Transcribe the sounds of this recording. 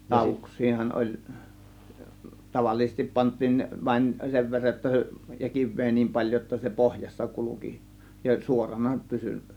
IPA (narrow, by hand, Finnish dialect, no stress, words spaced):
lɑˑo̝ʋuksˑiːhɑn ʔolʲ tɑʋɑlːisestip pɑntˑiːn ʋɑin seʋ ʋerːɑj jotːɑ se jɑ kiʋˑeː nim pɑlʲjo jotːɑ se pohjɑsːɑ kuluki jɑ suorɑnɑ pysy